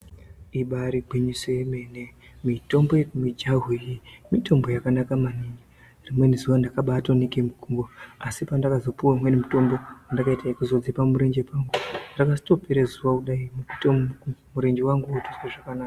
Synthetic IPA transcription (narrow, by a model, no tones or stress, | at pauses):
iɓaɾiɡʱiɲisemene | mito̞mbomid͡ʒaɦijimito̞mbo̞jakanakamaniɲe | rimwenizuwandakaɓatonekemukumboasipandakazo̞puwaimwenimuto̞mbo̞wandakaitaikuzod͡zipamuɾeɲd͡ʒepaŋɡurakasi̥to̞peɾezuwakuɗaimukutomuɾeɲɡewaŋɡuutosweʐakanaka